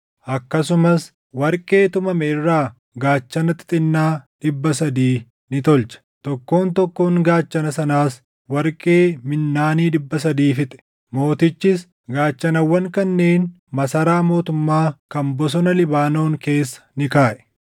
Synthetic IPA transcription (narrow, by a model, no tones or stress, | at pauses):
ʔɐkːɐsʊmɐs | wɐɾkʼe̞ːt̪ʊmɐmɛɪrːaː | ɡaːt͡ʃːɐnɐt̪ɪ̥t̪ʼɪnːaːᶑɪbːɐsɐd̪iː | nɪt̪ɔlt͡ʃɐ̥t̪ɔkːo̞ːnt̪ɔkːoːŋɡaːt͡ʃːɐnɐsɐnaːs | wɐɾkʼe̞ːmɪnːaːniːᶑɪbːɐs̬ɐd̪iːfɪt̪ʼɛ̥ | mo̞ːt̪ɪt͡ʃːɪs | ɡaːt͡ʃːɐnɐwːɐŋkɐnːeːn | mɐsɐɾaːmo̞ːt̪ʊmːaːkɐmbɔs̬ɔnɐlɪbaːno̞ːŋke̞ːsːɐ̥nɪkaːʔɛ̥